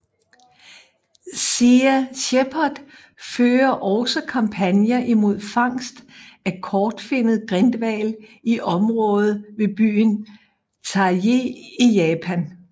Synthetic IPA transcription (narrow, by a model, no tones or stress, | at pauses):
siæɕepʰɐd̥ | føːɐʔɒʊsɒkʰɑ̈mpʰænjɐʔimo̝ð̞̰ˠfɑ̈ŋ̰sd̥ækʰɒːd̥fe̝n̰ð̩ˠɡ̥ʁend̥ʋɛ̰liʔɒ̽mʁɔ̽ːð̩ˠʋe̝b̥y̰ːn | t͡sʰɑ̈je̝ijɛːpʰæn